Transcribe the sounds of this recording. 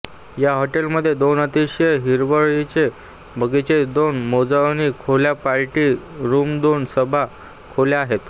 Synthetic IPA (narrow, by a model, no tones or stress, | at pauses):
jaɦoʈelməd̪ʱːjed̪onət̪iɕeɦiɾʋəɭit͡ɕe | bʱəɡit͡ɕed̪onmod͡zaʋnikʰoljapaɾʈiːɾumd̪onsəbʱa | kʰoljaaɦet̪